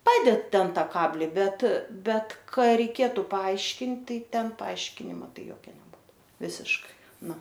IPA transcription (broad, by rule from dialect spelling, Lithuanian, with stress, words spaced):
ˈpɑːdʲɛt ˈtʲɛn ˈtɑː ˈkɑːbʲlʲɪ ˈbʲɛt ˈbʲɛt ˈkɐ rʲɛɪˈkʲeːtʊ pɐˈɐɪʃʲkʲɪnt ˈtɐɪ ˈtʲɛn pɐˈɐɪʃʲkʲɪnʲɪmɐ ˈtɐɪ ˈjoːkʲɛ nʲɛˈbuːtʊ ˈʋʲɪsʲɪʃkɐɪ ˈnʊ